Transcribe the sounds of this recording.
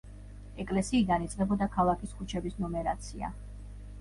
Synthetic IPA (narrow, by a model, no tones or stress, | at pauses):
ɛkʼlɛsiːd̪anit̪sʼqʼɛbɔd̪akʰalˠakʰiskʰut͡ʃʰɛbisnɔmɛɾat̪sʰia̰